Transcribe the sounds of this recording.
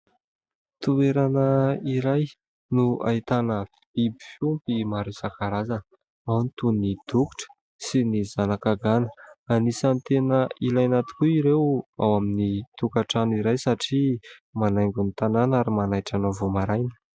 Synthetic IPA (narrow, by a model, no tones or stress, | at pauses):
t̪ueɾanəiɾaj | nua̰it̪anə | bibifumpimaɾesakaɾazan | awnit̪unid̪̥uku̥ʈ͡ʂə̥ | sinizanakaɡanəanisant̪enəilajnat̪i̥kuiɾewa̰waminit̪ukaʈ͡ʂaniɾajsaʈ͡ʂimanajŋɡunit̪ananaɾimanajʈ͡ʂanavomaɾajnə̥